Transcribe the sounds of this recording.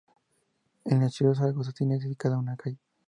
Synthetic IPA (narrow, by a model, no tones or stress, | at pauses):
enat͡ʃios̬aɣos̬at̪jineðifikaðaunakaj